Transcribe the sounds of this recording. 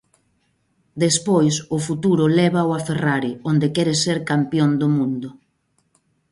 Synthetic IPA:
d̪espojsʊfut̪uɾʊlɛβawaferaɾiond̪ekɛɾeseɾkampjond̪ʊmũnd̪ʊ

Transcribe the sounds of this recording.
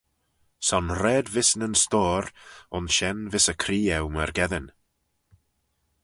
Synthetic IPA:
sɔnɾɛːdvɪsnənstɔːɾʊnʃɛnvɪsəkʰɾiːɛwməɾɡɛðən

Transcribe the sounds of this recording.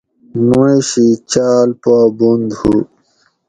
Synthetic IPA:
muiɕit͡ɕaːlpaːbund̪hu

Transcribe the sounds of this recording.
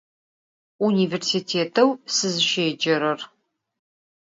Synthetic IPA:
uniːversitʰeːtʰɐwsɨzɨʃeːd͡ʒɐɾɐr

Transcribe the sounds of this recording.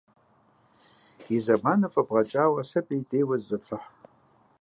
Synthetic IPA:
izɐmaːnɨfʼɐbʁɐt͡ʃʼaːwɐsɐpʼijdʼejwɐzzɨʈ͡ʂʷʰɨħ

